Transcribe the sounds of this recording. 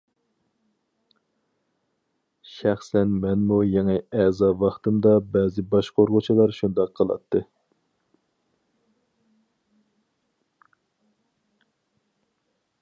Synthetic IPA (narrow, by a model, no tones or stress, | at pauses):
ʃæχsɛnmɛnmujeŋɨɛzɑvɑχt̪ɨmd̪ɑbɛːzɪbɑʃqʰoɾʁʊt͡ʃʰilˠɑɾʃund̪ɑqʰːəlˠɑ̰t̪ʰːɨ